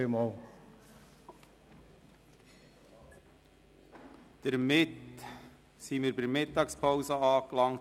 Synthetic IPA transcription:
emɑːl | d̪̥əɾmɪt | simɪːɾbɪɾmɪtːɑːkspʰɔwsəɑːklɑŋt

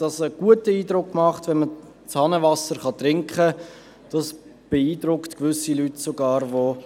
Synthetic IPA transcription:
d̥ɑsəɡ̥uətəiːdɾʊkːmɑχtʋɛnmə | t͡shɑnəvɑsəɾχɑt̪ɾɪŋkχə | d̥ɑsb̥eiːdɾʊktkvʏsilytsoɡɑːɾvo

